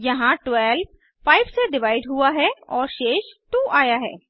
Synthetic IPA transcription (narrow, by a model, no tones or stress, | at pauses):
jɐɦãʈwɛːlb | paːɪbseɖɪʋaːɪɖɦuaɦɛɔːɾʃeːʃt̪ũʔaːjaɦɛ̰ː